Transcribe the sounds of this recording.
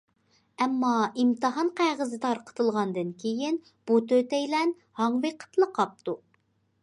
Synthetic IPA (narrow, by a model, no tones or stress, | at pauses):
ɛmːɑimt̪ɨɦɑnqʰæʁəzɨt̪ʰɑɾqʰə̥t̪ʰɨlˠʁɑnd̪ɨnkʲʰejin | b̥ut̪ʰøt̪ɛjlɛn | hɑŋveqʰə̥t̪lˠəqʰɑp̚t̪u